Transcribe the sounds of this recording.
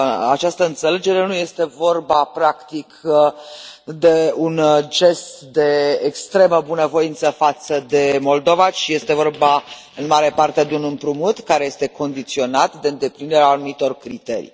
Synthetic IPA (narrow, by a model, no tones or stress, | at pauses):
a̰t͡ʃast̪əɨnt̪se̞le̞d͡ʒe̞ɾe̞nuje̞st̪e̞vo̞rbapɾakt̪ik | d̪e̞und͡ʒe̞st̪d̪e̞ːkst̪ɾe̞məbunəvo̞int̪səfat̪səd̪e̞mo̞ld̪o̞vat͡ʃije̞st̪e̞vo̞rba | ɨnmaɾe̞part̪ed̪eunɨmpɾumut̪kaɾe̞je̞st̪e̞ko̞nd̪it̪sio̞nat̪d̪e̞ɨnd̪e̞pɾineɾeaːnumit̪o̞rkɾit̪e̞̰ɾḭ